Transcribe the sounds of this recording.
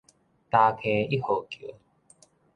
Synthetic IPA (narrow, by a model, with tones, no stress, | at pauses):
t̪a˧kʰe˧i˦ho˨˩kjo̰˨˦